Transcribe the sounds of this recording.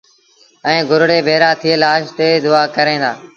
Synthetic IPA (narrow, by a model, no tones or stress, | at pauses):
ɛ̃ːɡʱʊɾɽeːbʱeːɾaːt̪ʰɪeːlaːʃt̪eːd̪ʊaːkəɾẽːd̪a̰ː